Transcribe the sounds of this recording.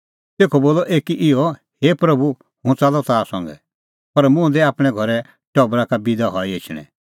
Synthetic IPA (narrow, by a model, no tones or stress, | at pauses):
t̪eːkʰɔboːlɔʔeːkiʔɪɔ | heːpɾɐbu | hũt͡salɔt̪aːsɔ̃ŋɡɛ̰ | pɐɾmʊ̃d̪ɛaːpɽ̃ɛɡʱɔɾɛ | ʈɔbɾakabid̪aɦɔiet͡ʃʰɽ̃ɛ̰̃